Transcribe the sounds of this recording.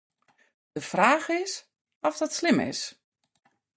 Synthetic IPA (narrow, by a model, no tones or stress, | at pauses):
d̥əfraːɣɪs | ɔfdɔtslɪmɪ̰s